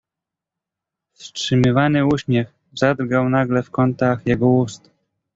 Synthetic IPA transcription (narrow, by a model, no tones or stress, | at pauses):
fstʂɘmɘvanɘuɕmʲjɛx | zad̪ɾɡawnaɡlɛfkɔnt̪axjɛɡɔust̪